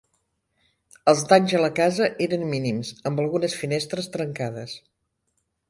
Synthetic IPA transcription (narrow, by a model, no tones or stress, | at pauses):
əlˠzd̪aɲʲzələkazəʔeɾənminimzəmbəlˠɣunəsfinest̪ɾəst̪ɾəŋkað̞əs